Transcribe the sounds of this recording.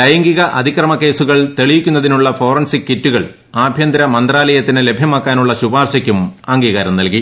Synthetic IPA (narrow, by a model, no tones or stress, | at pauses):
ɐjɐŋɡiɣɐʔɐd̪ʱikrɐmɐke̞ːsuɣɐɭt̪eɭiʋikʲːunːɐðinuɭːɐfo̞ːrɐnsikːitːuɣɐɭ | aːbʱjɐnd̪ɾɐmɐnd̪raːlɐjɐt̪ːinele̞bʱjɐmaːkːaːnuɭːɐɕubaːrɕɐkʲːumɐŋɡiːɣɐɾɐmnɐlki